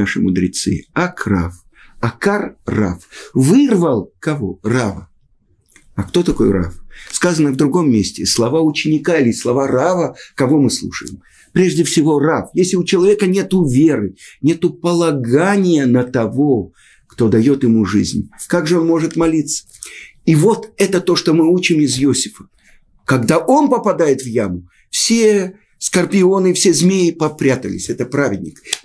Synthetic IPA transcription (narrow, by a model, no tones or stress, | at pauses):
aʂɨ̰mʊd̪ɾʲɪ̰t̪sɨ̰ɐkra̰f | ɐkarːa̰fvɨrvəlˠkɐvoravə | ɐkt̪o̞t̪ɐko̞jra̰fskazənəvd̪ɾʊɡo̞mːʲesʲtʲɪslˠɐvaʊt͡ɕːɪnʲɪkaɪlʲɪslˠɐvaravəkɐvo̞mɨslˠṵʂə̰jɪ̰m | pɾʲe̞ʐdʲɪfsʲɪvo̞rafjesʲlʲɪʊt͡ɕɪlˠɐvʲe̞kənʲe̞t̪ʊvʲe̞rɨnʲe̞t̪ʊpəlˠɐɡanʲɪjənət̪ɐvo̞ | kt̪o̞d̪ɐjo̞t̪ɪmuʐɨ̰zʲnʲkaɡʐɨo̞nmo̞ʐɨt̪mɐlʲit̪sə̥ | ivo̞t̪ɛt̪ət̪o̞ʂt̪o̞mɨut͡ɕɪmɪzjosʲɪ̥fə̥ | kɐɡd̪aʔo̞npəpɐd̪ajɪt̪vjamʊ | fsʲe | skərpʲɪo̞nɨfsʲezʲmʲejɪpɐpɾʲat̪əlʲɪ̰sʲɛt̪əpɾavʲɪdʲnʲɪk